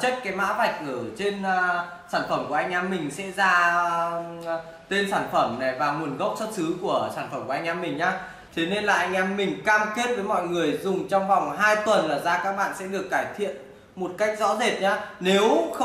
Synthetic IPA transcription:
t͡ɕə˦˥t̚kaː˨˦jma̰ː˧˥va˨˩jk̟̚ʔə˧˩t͡ɕe˧n | saː˧˩nfə˧˩mku˧˩ʔa˧ŋ̟ʔɛ˧mːï˨˩ŋ̟sɛ̰˧˥zaː˧ | t̪e˧nsaː˧˩nfə˧˩mna˨˩jvaː˨˩mu˨˩ənɣə˦˥wk͡p̚swə˦˥t̚sɨ˨˦ku˧˩əsaː˧˩nfə˧˩mku˧˩a˧ŋ̟ʔɛ˧mːï˨˩ŋ̟ɲaː˨˦ | t̪ʰe˨˦ne˧nla̰ː˨˩ʔa˧jŋ̟ʔɛ˧mːï˨˩ŋ̟kaː˧mke˦˥t̚vəː˨˦jmɔ̰˧˨jŋɨ˨˩əjzʊ˨˩ŋ͡mt͡ɕɔ˧wŋ͡mva˨˩wŋ͡mɦaː˧jt̪wə˨˩nlaː˨˩zaː˧kaː˦˥k̚ɓa̰ː˧˨nsɛ̰˧˥ɗɨ˨˩əkːaː˧˩jt̪ʰḭ˧˨ən | mo˨˩t̚ka˦˥k̟̚zɔ̰˧˥ze˨˩t̚ɲaː˧ne˨˦wx

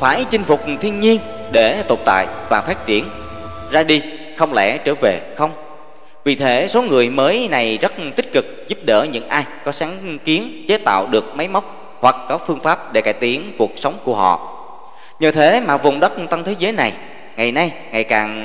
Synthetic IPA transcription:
faː˧˩jt͡ɕï˧ŋ̟fʊ˨˩k͡p̚t̪ʰi˧ənɲi˧ənɗe˧˩t̪o˨˩p̚t̪a̰ː˧˨jvaː˨˩faː˦˥t̚t͡ɕi˧˩ən | zaː˧ɗi˧ | xə˧wŋ͡mlɛ̰˧˥˩t͡ɕəː˧˩ve˨˩xə˧wŋ͡m | vi˨˩t̪ʰe˨˦so˨˦ŋɨ˨˩əjməː˨˦jna˨˩jzə˦˥t̚t̪ï˦˥k̟̚kɨ˨˩k̚zu˦˥p̚ɗə̰ː˧˩ɲɨ̰˧˥ŋʔaː˧jkɔ˨˦saː˨˦ŋki˨˦ənt͡ɕe˨˦t̪a̰ː˧˨wɗɨ˨˩ək̚ma˨˦jma˦˥wk͡p̚ | hwa˨˩k̚kɔ˨˦fɨ˧əŋfaː˦˥p̚ɗe˧˩kaː˧˩jt̪i˨˦ənku˨˩ək̚sə˨˦wŋ͡mku˧˩əɦɔ̰˧˨ | ɲəː˨˩t̪ʰe˨˦maː˨˩vʊ̰˨˩wŋ͡mɗə˦˥t̚t̪a˧nt̪ʰe˨˦zəː˨˦jna˨˩j | ŋa˨˩jna˧j | ŋa˨˩jkaː˨˩ŋ

